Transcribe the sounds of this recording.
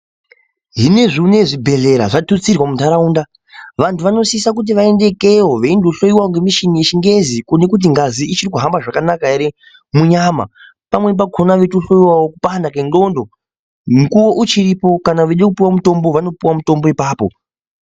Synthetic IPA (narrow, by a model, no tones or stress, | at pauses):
ɦine̞ʐiune̞ʐibʱe̞ɮe̞ɾa̰ʐatut͡sirwamuntaɾauːnda | ʋantʰuʋano̞siisak̬ut̬iʋae̞nde̞ke̞woʋeindoɬo̞jiwaŋɡemiʃinije̞t͡ʃiŋɡe̞zikune̞kut̬iŋɡaziit͡ʃirik̬uɦambaʐakanakaeɾe | muɲama̰ | pamwe̞p̬akʰonaʋe̞toɬo̞jiwawokupandakendo̞ndo̞ | mukuwo̞ʔut͡ʃiɾipo̞kanaʋeɗekupiwamuto̞mbo̞ʋano̞piwamuto̞mbo̞ipaːpo̰